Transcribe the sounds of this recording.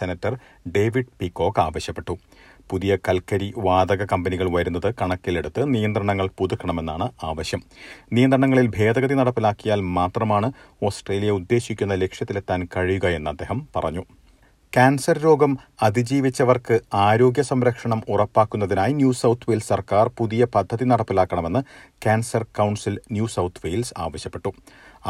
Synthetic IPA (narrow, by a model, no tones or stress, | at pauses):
senɐtːɐr | ɖe̞ːʋiɖpikːo̞ːkːaːʋɐɕjɐpːeʈːu | puðijɐkɐlkɐɾiʋaːd̪ɐɣɐkɐmbɐniɣɐɭʋɐɾunːɐðɨkɐɳɐkːile̞ɽut̪ːɨnijɐnd̪ɾɐɳɐŋːɐɭpuðukːɐɳɐme̞nːaːɳɨaːʋɐɕjɐmnijɐnd̪ɾɐɳɐŋːɐɭilbʱe̞ːd̪ɐɣɐðinɐɽɐpːilaːkːijaːlmaːt̪rɐmaːɳɨ | o̞ːsʈre̞ːlijɐud̪ːe̞ːɕikʲːunːɐle̞kʂjɐt̪ːilet̪ːaːnkɐɻijuɣɐe̞nːɐd̪ːe̞ːɦɐmpɐ̰rɐ̰ɲːu | kaːnsɐrɾo̞ːɡɐmɐd̪ʱid͡ʑiːʋit͡ɕːɐʋɐrkɨaːɾo̞ːɡjɐsɐmɾɐkʂɐɳɐmurɐpːaːkːunːɐðinaːjinjuːsɐwt̪ʰːʋeːlssɐrkaːrpuðijɐpɐd̪ʱːɐðinɐɽɐpːilaːkːɐɳɐme̞nːɨkaːnsɐrkɐwɳsilnjuːsɐwt̪ʰʋejlsa̰ːʋɐɕjɐpːe̞ʈːu